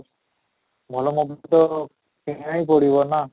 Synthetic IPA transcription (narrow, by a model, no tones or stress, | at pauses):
bʱɔlɔmɔbt̪ɔ | keajpoɽiβɔna